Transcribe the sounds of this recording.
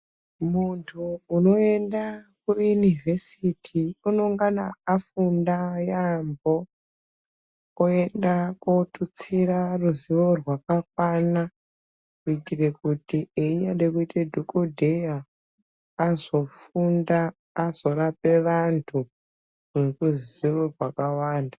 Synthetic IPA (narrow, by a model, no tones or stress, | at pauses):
muntʰuːno̞e̞ndak̚ujunivʱe̞sitʰiuno̞ŋɡana̰afundajambo̞ | e̞ndakotut͡siraruziʋo̞rwakak̚wana | kuitirekutiʔeijaɗekuitedʱokodʱejaː | zo̞fundaː | z̥o̞rape̞ʋantʰu | ekuziʋorwakawaːnda